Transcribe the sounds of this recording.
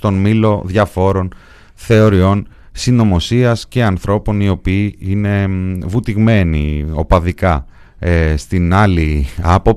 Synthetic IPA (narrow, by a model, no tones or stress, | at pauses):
t̪o̞nmilo̞ðʝɐfo̞ɾo̞n | θe̞o̞ɾio̞n | sino̞mo̞siɐsce̞ɐnθɾo̞po̞nio̞piːine̞vut̪iɣme̞nḭo̞pɐðikɐ | st̪inɐliɐpo̞p